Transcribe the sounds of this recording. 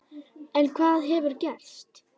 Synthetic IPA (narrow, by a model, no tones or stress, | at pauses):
ɛnkʰvaːðɦɛvʏɾcɛr̥st̪